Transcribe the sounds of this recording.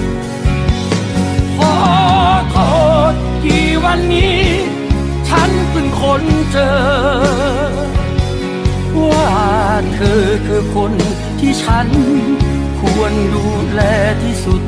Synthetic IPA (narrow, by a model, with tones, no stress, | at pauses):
kʰɔː˨˦kʰɔː˧˩˧ | kiː˨˩wa˧˥nːiː˦˥ | t͡ɕʰa˦˥nsɯ˧˩ŋkʰo˧˥nt͡ɕɤː˧ | mu˧˩haː˨˩t̪ʰːɤː˧kʰɯː˧kʰo˧n | t̪ʰiː˥˩t͡ɕʰa˦˥n | kʰu˧ənduː˧ | lɛː˧t̪ʰiː˥˩su˨˩t̪̚